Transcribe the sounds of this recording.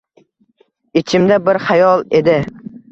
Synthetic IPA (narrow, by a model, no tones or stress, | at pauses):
et͡ʃʰɪmd̪abɪɾχajɒlˠe̞d̪ɪ